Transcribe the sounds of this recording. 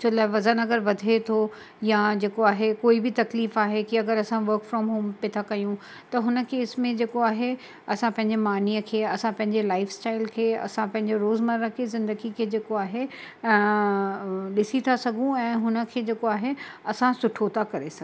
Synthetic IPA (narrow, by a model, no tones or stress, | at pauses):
t͡ɕʰolaːeʋɐzənɐɡəɾʋɐd̪ʱet̪ʰo | jad͡ʑeːkoaːɦekoːibɪt̪ɐkliːfaːɦekiɐɡəɾɐsãʋɐɾkfɾɔːmɦoːmpet̪ʰakɐjũ | t̪ɐɦʊnə̆keːsmẽd͡ʑeːkoaːɦe | ɐsãpɐ̃ɦɪ̃ɲd͡ʑemaːniəkʰeːɐsãpɐ̃ɦɪ̃ɲd͡ʑelaːɪfsʈaːɪlkʰeːɐ̰sãpɐ̃ɦɪ̃ɲd͡ʑeɾoːzmɐɾə̃kʰezɪ̃nd̪əɡikʰeːd͡ʑeːkoaːɦe | ɗɪsit̪ʰasɐɡʱũɛ̃ːɦʊnə̆kʰeːd͡ʑeːkoaːɦeɐsãsʊʈʰot̪ʰakɐɾesɐɡ